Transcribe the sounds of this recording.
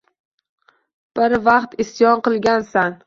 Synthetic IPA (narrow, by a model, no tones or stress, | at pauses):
b̥ɪɾvɑqt̪ʰɪsjɒnqɨlˠɡʲansan